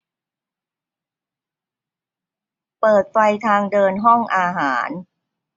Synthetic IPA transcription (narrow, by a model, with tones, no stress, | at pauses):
pɤː˨˩t̪̚fa˧jt̪ʰaː˧ŋdɤː˧nɦɔ˥˩ŋʔaː˧ɦaː˩˦n